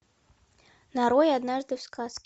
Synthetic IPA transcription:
naɾɔjad̪naʐd̪ɨwskʰaskʲ

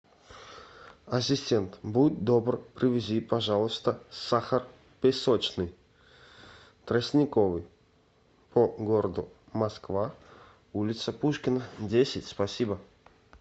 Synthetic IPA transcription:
ɐsʲɪsʲtʲent̪but̪̚ʲd̪obrpɾʲɪvʲɪzʲipɐʐalˠəst̪əsaxər | pʲɪsot͡ɕnɨj | t̪ɾəsʲnʲɪkovɨj | pʰoɡoɾəd̪ʊ | mɐskva | ulʲɪt̪səpuʂkʲɪnədʲesʲɪtʲspɐsʲibə

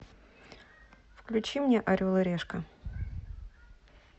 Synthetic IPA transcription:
fklʲʉt͡ɕimnʲeʔɐɾʲulˠəɾʲeʂkə

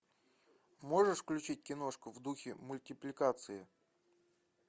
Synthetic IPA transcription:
mo̞ʐɨʂfklʲʉt͡ɕit̚ʲkʲɪno̞ʂkʊvd̪uxʲɪmʊlʲtʲɪplʲɪkat̪sɨɪ

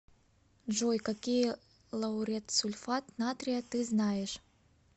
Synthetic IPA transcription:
ʐojkakʲij | lˠɐwuɾʲat̪sulʲfat̪nat̪ɾʲijat̪ɨznajeʂ

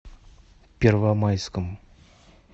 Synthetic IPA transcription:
pʲervamajskəm

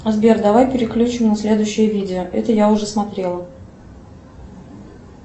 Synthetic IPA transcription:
ɐzbʲerd̪ɐvajpʲɪɾʲɪklʲut͡ɕɪmnəsʲlʲe̞d̪ʊjɕːɪjəvʲidʲɪoʔɛ̰t̪əjaʊʐɛsmɐt̪ɾʲe̞lˠə

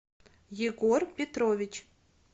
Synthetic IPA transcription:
jɪɡorpʲet̪rovʲɪt͡ʃ

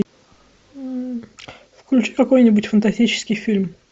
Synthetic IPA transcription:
fklʲʉt͡ɕi̥kɐko̞jnʲɪbʊtʲfənt̪ɐsʲtʲit͡ɕɪ̥skʲɪjfʲilʲm

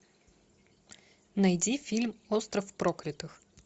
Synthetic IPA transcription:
nɐjdʲifʲilʲmost̪ɾəfpɾoklʲɪt̪ɨx

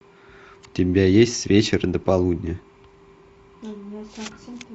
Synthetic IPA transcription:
t̪ʲɪmʲbʲejesʲtʲsʲvʲet͡ɕeɾənd̪əpalˠud̪ʲnʲə

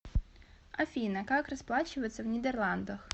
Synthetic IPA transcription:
ɐfʲinɐkɑkrɐsplˠɑt͡ʃʊjet͡sʲːɐwnʲid̪erlˠɑnd̪ɐx

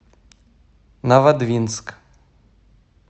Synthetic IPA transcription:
navad̪vʲinsk

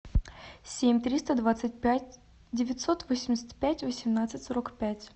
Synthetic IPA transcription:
sʲemʲt̪ɾʲist̪əd̪vat̪sɨt̚ʲpʲæt̚ʲ | dʲɪvʲɪt̪ʲso̞t̪vosʲɪmʲɪsʲə̥tʲpʲætʲvəsʲɪmnat̪sɨtʲsoɾokpʲætʲ

